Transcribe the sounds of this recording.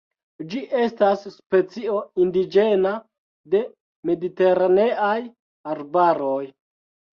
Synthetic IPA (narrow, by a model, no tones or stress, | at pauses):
d͡ʒiʔe̞stasːpe̞t͡sio̞indid͡ʒe̞na | de̞ | me̞dite̞ɾane̞aj | aɾbaɾo̞j